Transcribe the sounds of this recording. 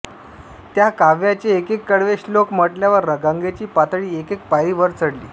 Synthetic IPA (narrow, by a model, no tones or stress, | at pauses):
t̪jakaʋjat͡ɕiekekːəɽʋeɕlokməʈljaʋəɾːəɡəŋɡet͡ɕiːpat̪ɭiːekek̚paiːʋəɾt͡səɽlḭː